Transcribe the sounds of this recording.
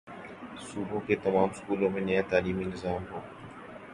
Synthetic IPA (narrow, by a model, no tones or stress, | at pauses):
suːbʱõkeːt̪ɐmaːmskuːlõmẽnjãt̪aːliːminɪzaːmɦoː